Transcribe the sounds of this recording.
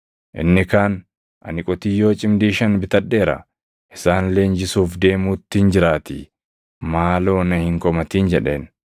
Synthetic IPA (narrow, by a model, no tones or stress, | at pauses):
ʔɪ̰nːɪkaːn | ʔɐ̰nɪkʼɔt̪ɪjːo̞ːt͡ʃʼɪmd̪iːʃɐnbɪt̪ɐᶑːe̞ːɾɐ̰ | ʔɪsaːnle̞ːnd͡ʒɪsuːfd̪e̞ːmuːt̪ːɪnd͡ʒɪɾaːt̪iː | maːlo̞ːnɐhɪŋkʼɔmɐt̪iːnd͡ʒɛᶑe̞̰ːn